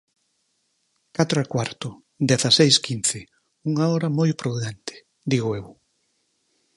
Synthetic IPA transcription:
kat̪ɾʊakwaɾt̪ʊ | d̪eθɐsejskin̟θɪ | uŋaɔɾɐmɔjpɾuðɛnt̪ɪ̥ | d̪iɣʊew

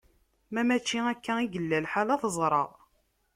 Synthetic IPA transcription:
mæmæt͡ʃːiækːæiɡəlːælħalɑθəzˤɾˤɑ̰ðˤ

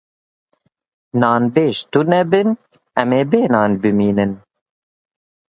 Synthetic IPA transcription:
nɑːnbeːʃt̪unɛbɨn | ɛmeːbeːnɑːnbɨmiːnɨn

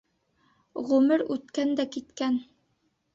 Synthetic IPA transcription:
ʁʉmɘɾʉt̪kænd̪ækit̪kæn

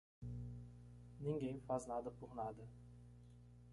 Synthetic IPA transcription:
niŋɡenfaznad̪əpuχnad̪ə

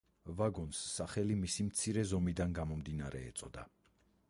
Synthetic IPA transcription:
vaɡɔnsːaχɛlimisimt̪sʰiɾɛzɔmid̪anɡamɔmd̪inaɾɛ̰ːt̪sʼɔd̪a̰

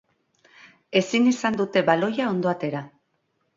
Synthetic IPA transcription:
e̞sinisand̪ut̪e̞βalo̞jao̞nd̪o̞at̪e̞ɾa

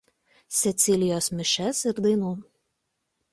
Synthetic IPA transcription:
sʲɛt̪sʲɪlʲɪjoːsmʲɪʃʲɛsɪɾd̪ɐɪnuː

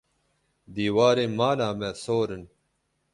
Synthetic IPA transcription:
d̪iːwaːɾemaːlaːmesoːɾən

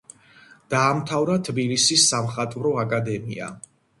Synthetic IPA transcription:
d̪̥aːmt̪ʰavɾat̪ʰbilisisːamχat̪ʼvɾɔakʼad̪ɛmḭa̰

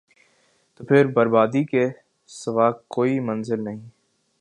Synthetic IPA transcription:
t̪oːpʰɪɾbɐɾbaːd̪ike | sɐʋaːkkoːimɐ̃nzɪlnɐɦĩː

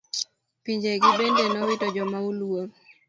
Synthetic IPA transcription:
piɲd͡ʒeɡɪbendenɔwɪtɔd͡ʒɔmaulwo

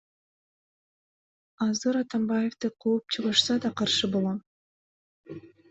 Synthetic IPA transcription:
ɑzɯɾɑt̪ɑmbajeft̪ɯqʰuːp̚t͡ʃʰɯʁɑʃsɑd̪ɑqʰɑɾʃɯbolˠom

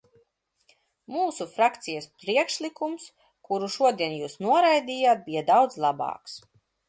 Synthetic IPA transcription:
muːsufɾakt̪sijɐspɾiɛkʃlˠikums | kuɾuʃuɔd̪iɛnjuːsnuɔɾajd̪iːjaːt̪̚bʲijad̪awd̪zlˠabɑ̰ːks

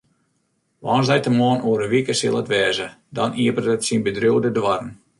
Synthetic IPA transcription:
ʋɔ̰ːnzdɛjtəmɔːnuəɾəʋikəsɪlˠətʋɛːzədɔnʔiəpərtətsinbədrowdədwɔrn

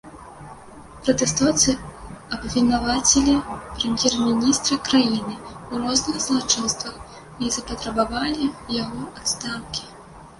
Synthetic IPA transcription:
pɾɐt̪ɛst̪ɔt̪sɨɐbvʲinavat͡sʲɛlʲipɾɛmʲjɛrmʲinʲist̪ɾɨkɾajinɨuɾɔznɨxzlˠat͡ʂɨnst̪vɐx | izɐpɐt̪ɾɐbavalʲijaɣɔat̪st̪ankʲi̥

